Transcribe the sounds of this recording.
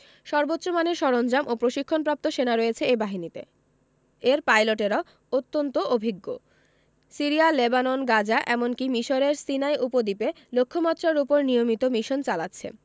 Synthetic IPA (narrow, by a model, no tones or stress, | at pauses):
ʃɔɾbot̪ːɕomaneɾʃɔɾond͡ʑamʔopɾoʃikʰːonpɾap̚t̪oʃenaɾɔet͡ɕʰeebaɦinit̪ḛ | eɾpajloʈeɾao | ot̪ːont̪oʔobʱiɡːo | siɾialebanonɡad͡ʑaʔɛmonkimiʃoɾeɾsinaeʔupod̪ipe | lokʰːomat̪ːɾaɾupoɾnijomit̪omiʃont͡ɕalatːɕʰḛ